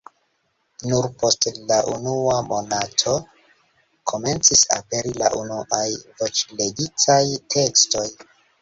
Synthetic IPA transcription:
nuɾpo̞stlaʔunuamo̞natʰo̞ | kʰo̞me̞nt͡sisa̰pe̞ɾila̰ʔunuʔajvo̞t͡ʃle̞ɡitajtʰe̞ksto̞j

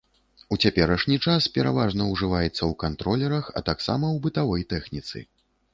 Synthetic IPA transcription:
ut͡sʲapʲɛɾɐʂnʲit͡ʂaspʲɛɾa̰vaʐnɐwʐɨvajɛt̪sːɐwkant̪ɾɔlʲɛɾɐxɐ̰t̪aksa̰mɐwbɨt̪avɔjt̪ɛxnʲit̪sɨ̰

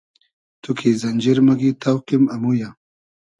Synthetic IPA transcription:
t̪ukʰizɐnʲd͡ʑiɾmɐɡit̪awqimɐmuja

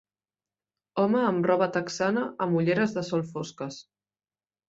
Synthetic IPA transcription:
ɔməːmrɔβət̪əksanəʔəmuʎeɾəzðəsɔlˠfoskəs

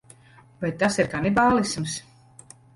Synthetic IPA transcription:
bɛt̪ːasiɾkanibaːlˠisms

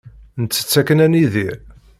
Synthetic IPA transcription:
nət͡sːə̥t͡sːækːənæniðiɾ

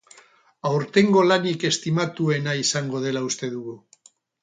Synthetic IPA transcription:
awɾt̪e̞ŋɡo̞lanike̞st̪imat̪ue̞naisaŋɡo̞ð̞e̞laust̪e̞ðuɣu

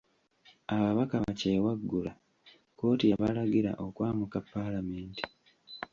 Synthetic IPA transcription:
aβaβakaβaceːwaɡːula | ko̞ːtijaβalaɡiɾa̰ʔokwaːmukapːalameːnti̥

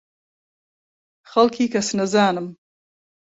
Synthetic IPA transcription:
xalkʰikɐsnazaːnəm

